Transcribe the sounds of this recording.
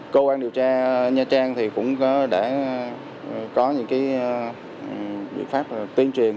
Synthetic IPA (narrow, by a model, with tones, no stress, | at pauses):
kə˧kwaː˧nɗi˨˩əwt͡ɕaː˧ɲaː˧t͡ɕaː˧ŋt̪ʰi˨˩kʊ̰˧˥ŋ͡mɗa̰ː˧˩ | kɔ˨˦ɲɨ̰˧˥ŋkaː˨˦j | ɓḭ˧˨nfaː˦˥p̚ːt̪i˧ənt͡ɕwi˨˩ən